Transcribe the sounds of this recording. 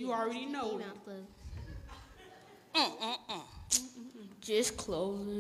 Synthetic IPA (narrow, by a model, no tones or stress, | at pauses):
jɨɹɛɾinoʊ | ʒ̥ʌskʰl̥oʊz